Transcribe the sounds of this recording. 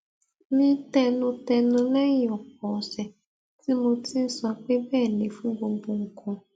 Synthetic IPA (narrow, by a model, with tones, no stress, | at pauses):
nĩ˦tɛ˧nʊ̃˧tɛ˧nʊ̃˧lɛ˦jɔ˨k͡p̚ɔ˨sɛ˨ | ti˦mo˧ti˦n̩˦sɔ˧k͡pe˦bɛː˦˨le˨fũ˦ɡ͡bo˧ɡ͡bo˧ŋ̩˨kʰɔ̃˧